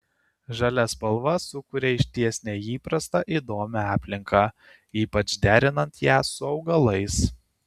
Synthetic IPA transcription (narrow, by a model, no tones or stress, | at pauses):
ʒɑlʲɛspɐlˠʋɐsʊkʊɾʲeɪʃʲt̪ʲiɛsʲnʲɛiːpɾɐst̪ɑʔid̪oːmʲɛɑːpʲlʲɪŋkʰɑ | iːpɐt͡ʃd̪ʲæːɾʲɪnɐnt̪jæːsʊɒʊɡɐlˠɐɪs